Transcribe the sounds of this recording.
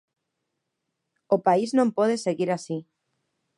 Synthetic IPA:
opaiznõmpoðeseɣiɾasi

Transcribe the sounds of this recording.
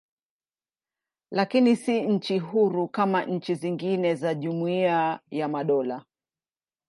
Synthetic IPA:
lakinisiɲ̩t͡ʃiɦuɾukamaɲ̩t͡ʃiziŋɡinɛzaʄumuiajamaɗɔla

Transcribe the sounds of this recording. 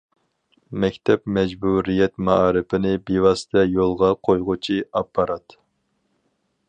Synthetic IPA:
mɛkʲt̪ʰɛpmɛd͡ʒbuɾijɛt̪mɑɑːɾɨpʰɪnɪbewɑsɨ̥t̪ʰɛjolˠʁɑqʰojʁʊt͡ʃʰiɑpʰːɑɾɑt̪

